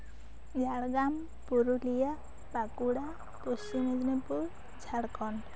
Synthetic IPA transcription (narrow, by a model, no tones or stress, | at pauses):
d͡ʒʱaɽɡam | puɾulija | pakuɽa | pust͡ʃimed͡ʒnepuɾ | d͡ʒʱaɽkɔn